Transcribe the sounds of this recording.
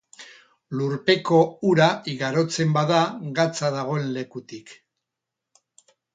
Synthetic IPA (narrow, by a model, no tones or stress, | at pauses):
luɾpe̞ko̞uɾaiɣaɾo̞t͡se̞mbaðaɣat͡sað̞aɣ̞o̞e̞nle̞kut̪ik